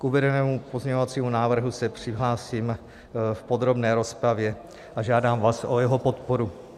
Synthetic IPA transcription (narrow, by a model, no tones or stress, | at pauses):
kʔuvɛdɛnɛːmupo̞zɲɛɲovat͡siːmunaːvr̩ɦusɛpr̝̥ɪɦlaːsiːm | fpo̞d̪ɾo̞bnɛːɾo̞spɾavjɛ | ʔaʒaːdaːmvaːsʔojɛɦopo̞t̪poɾu